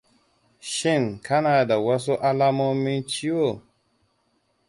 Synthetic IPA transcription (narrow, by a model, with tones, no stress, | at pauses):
ʃi˦˨nkʰa˦na˨da˨wa˦s̬o˦ʔa˦la˦mo˦mĩ˦nt͡ʃi˦wo˦˨